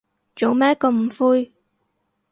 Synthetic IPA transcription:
t͡ʃo˨˥wmɛː˥kɔ˧m̩˨˩fuː˧j

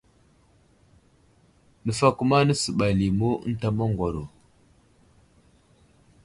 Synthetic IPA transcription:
nə˨fa˦ku˦ma˦nə˦su˨ɓa˨li˨mṵ˦n˦ta˦ma˦ŋɡʷa˨ɾo˨

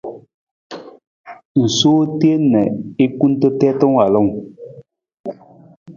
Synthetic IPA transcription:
n̩˨soː˦ti˦e˦nɛ˨e˦ku˦n̩˦tə˦tɛ˦tɔ˦ŋ˦a˨lɔ˦˨ŋ

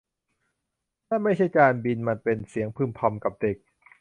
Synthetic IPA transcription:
t̪ʰaː˥˩ma˥˩jt͡ɕʰa˥˩jkaː˧nbi˧nma˧npe˧nsi˩˦əŋpʰɯː˧˩mpʰɔ˧mka˨˩p̚de˨˩k̚

